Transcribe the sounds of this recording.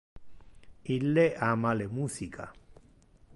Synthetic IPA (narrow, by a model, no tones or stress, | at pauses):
ilːeʔamalemuːsikʰa̰